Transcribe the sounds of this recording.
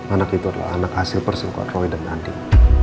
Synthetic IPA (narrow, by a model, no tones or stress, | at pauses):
anakit̪uadala̰ha̰nakhasɪlpərsəmka̰t̪rɔidanandi